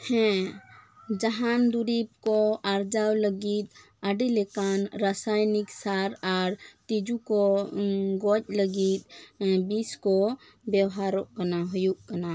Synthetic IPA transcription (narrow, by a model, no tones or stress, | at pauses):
hɛ̃ | d͡ʒaɦand̪uɾip̚kɔaɾd͡ʒawləɡit̪̚ | əɖilɛkanɾasajniksaɾaɾt̪id͡ʒukɔ | ɡɔc̚ləɡit̪̚biskɔ | bjɛwɦaɾɔʔkanaɦɔjuʔkana